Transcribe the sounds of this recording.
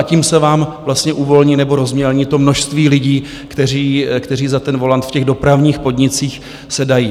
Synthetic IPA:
ʔaciːmsɛvaːmvlast̪ɲɛʔuːvo̞lɲinɛbo̞ɾo̞zmɲɛlɲiːt̪o̞mno̞ʃst̪viːlɪɟiː | kt̪ɛr̝iːkt̪ɛriːzat̪ɛnvo̞lant̪fcɛɣdo̞pɾavɲiːxpo̞dɲɪt͡siːx | sɛdajiː

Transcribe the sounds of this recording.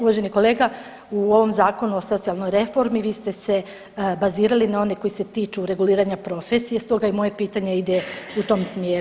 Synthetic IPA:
uʋaːʒe̞niko̞leːɡa | uo̞ʋo̞mzaːko̞nuoso̞t̪sialˠno̞jɾe̞fo̞ɾmiʋiːst̪e̞se̞ | baziːɾalinao̞neko̞jise̞t̪iːt͡ʃuɾe̞ɡuliːɾaɲapɾo̞fesijest̪o̞ɡaimo̞je̞piːt̪aɲeid̪eut̪o̞msmjeːɾu

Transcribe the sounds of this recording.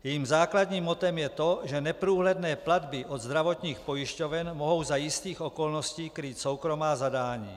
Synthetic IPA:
jɛːmzaːklad̪ɲiːmot̪ɛmjɛt̪oʒɛnɛpɾuːɦlɛd̪nɛːplad̪bɪʔod̪zd̪ɾavot̪ɲiːxpo̞jɪʃcovɛnmoɦo̞wzajɪst̪iːxokolnosciːkɾiːt̪sowkɾo̞maːzadaːɲḭː

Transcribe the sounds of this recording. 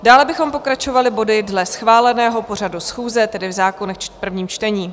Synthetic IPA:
daːlɛbɪxo̞mpo̞kɾat͡ʃo̞valɪbo̞dɪdlɛsxvaːlɛnɛːɦo̞por̝adusxuːzɛt̪ɛdɪvzaːko̞nɛxt͡ʃpr̩vɲiːmt͡ʃt̪ɛɲiː

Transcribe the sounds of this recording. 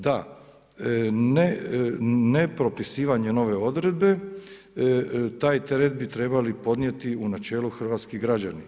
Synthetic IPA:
d̪a | ne | nepɾo̞pisiːʋaɲe̞no̞ʋe̞o̞d̪ɾe̞d̪̚be̞ | t̪aːjt̪e̞ɾet̪bit̪ɾe̞balipo̞d̪nije̞t̪iunat͡ʃe̞ːluxr̩ʋaːt̪skiɡɾad͡ʒani

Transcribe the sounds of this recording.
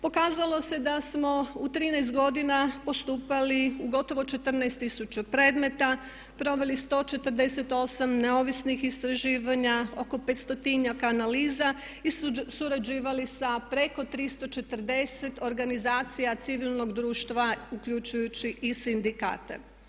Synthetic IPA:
po̞kaːzalˠo̞se̞d̪asmo̞ut̪ɾiːnɛjs̬t̪̚ɡo̞d̪inapo̞st̪uːpaliuɡo̞t̪o̞ʋo̞t͡ʃe̞t̪ər̩najst̪ːisut͡ʃapɾeːd̪me̞t̪a | pɾo̞ʋe̞list̪o̞t͡ʃe̞t̪əɾd̪e̞se̞t̪o̞samne̞o̞ʋisnixist̪ɾaʒiːʋaɲaoko̞pet̪st̪ot̪iɲakaːnaliːza | isuɾad͡ʒiːʋalisapɾe̞ko̞t̪ɾist̪o̞t͡ʃe̞t̪ərd̪e̞se̞t̪o̞ɾɡanizaːt̪sijat̪siʋilˠno̞ɡd̪ɾuːʃt̪ʋaukʎut͡ʃujut͡ɕiʔisind̪ika̰ːt̪ḛ

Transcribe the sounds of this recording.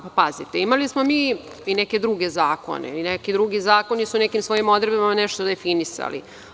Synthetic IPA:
papazit̪eimalismo̞miː | inɛke̞d̪ɾuɡe̞zaːko̞̰nḛinekid̪ɾuɡizaːko̞nisunɛkimsʋo̞jimod̪ɾebimamanɛʃt̪od̪efinisa̰lḭ

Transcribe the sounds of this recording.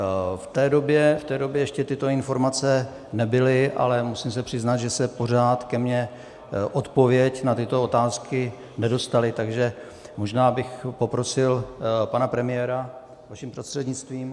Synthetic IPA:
ft̪ɛːdo̞bjɛft̪ɛːdo̞bjɛjɛʃcɛt̪ɪt̪o̞ɪnfo̞ɾmat͡sɛ | nɛbɪlɪʔa̰lɛmusiːmsɛpr̥ɪznat̪ʒɛsɛpo̞r̝aːt̪kɛmɲɛ | ʔo̞t̪po̞vjɛcnat̪ɪt̪o̞ot̪aːskɪ | nɛdo̞st̪alɪt̪aɡʒɛ | mo̞ʒnaːbɪxpo̞pɾo̞sɪlpanapɾɛmɪjɛːɾa | vaʃɪmprost̪r̥ɛd̪ɲɪt͡st̪viːm

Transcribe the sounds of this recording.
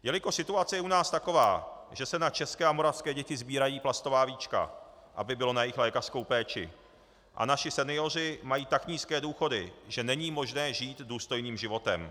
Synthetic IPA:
jɛlɪko̞sɪt̪uat͡sɛjɛʔunaːst̪ako̞va̰ːʒ̥ɛsɛnat͡ʃɛskɛːʔamo̞ɾafskɛːɟɛcɪzbiːɾajiːplast̪o̞vaːviːt͡ʃka̰ | ʔa̰bɪbɪlo̞najɪxlɛːkar̥sko̞wpɛːt͡ʃɪ̰ | ʔa̰naʃɪsɛnɪo̞r̝ɪmajiːt̪akɲiːskɛːduːxo̞dɪ̰ʒɛnɛɲiːmo̞ʒnɛːʒiːt̪duːst̪o̞jniːmʒɪvo̞t̪ɛ̰m

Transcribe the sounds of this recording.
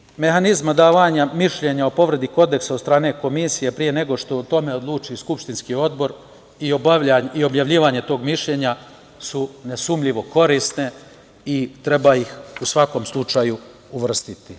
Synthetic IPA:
me̞ɦanizmad̪aːʋaɲamiʃʎe̞ɲaopo̞ʋɾe̞d̪iko̞d̪e̞ksaod̪st̪ɾaːne̞ko̞misijepɾije̞ne̞ɡo̞ʃt̪o̞t̪o̞me̞od̪lˠuːt͡ʃiskupʃt̪inskio̞d̪bo̞ɾ | iobaaio̞bjaʋlʎiːʋaɲe̞t̪o̞ːɡmiʃʎe̞ɲa | sune̞suːmʎiʋo̞ko̞ɾist̪ne̞ | it̪ɾe̞bajixusʋako̞mslˠut͡ʃaju | uʋr̩st̪it̪i

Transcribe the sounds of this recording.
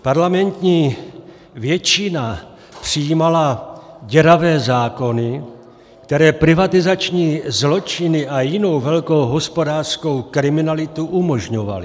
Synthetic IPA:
paɾlamɛnt̪ɲiː | vjɛt͡ʃɪna | pr̝̥ijiːmalaɟɛɾavɛːzaːko̞nɪ | kt̪ɛɾɛːpɾɪvat̪ɪzat͡ʃɲiːzlo̞t͡ʃɪnɪʔajɪno̞wvɛlkowɦo̞spo̞daːrr̥sko̞wkɾɪmɪnalɪt̪uʔumo̞ʒɲo̞va̰lɪ

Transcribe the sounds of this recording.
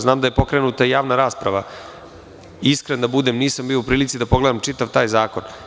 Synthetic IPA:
znaːmd̪ajepo̞kɾenut̪aijaːʋnaɾaːspɾaʋa | iskɾend̪abud̪emniːsambijo̞upɾiːlit̪sid̪apo̞ɡle̞d̪amt͡ʂit̪aʋt̪aːjzaːko̞n

